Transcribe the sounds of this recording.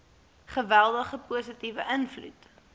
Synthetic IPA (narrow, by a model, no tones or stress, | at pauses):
χəvælˠdəχəpuəsətivəʔənflṵt